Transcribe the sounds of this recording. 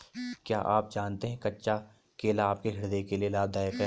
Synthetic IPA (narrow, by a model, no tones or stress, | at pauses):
kja̰ːʔaːp̚d͡ʒaːnt̪eɦɛ̃kɐtːʃa | keːlaːp̚keɦɪɽd̪ekelielaːb̚d̪aːjəkɦɛ